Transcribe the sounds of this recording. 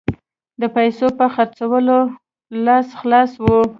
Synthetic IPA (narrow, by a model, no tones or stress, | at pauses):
d̪əpajsopəxaɾt͡sawəlo | lɑsxlɑswu